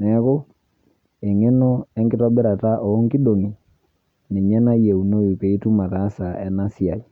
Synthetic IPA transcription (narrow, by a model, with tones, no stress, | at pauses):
nɛ˨˦ko˦ | e˨ŋe˦no˦ɛ˦ŋɡɪ˦tɔ˦bɛ˦ɾa˨ta˦ʔɔː˨˦ŋki˦ɗo˨ŋi˨ | ni˨ɲɛ˦na˦je˨u˨no˦i˨pe˨i˦tu˦ma˨ta˨˦sa˨ɛ˨na˦si˦a˨i˨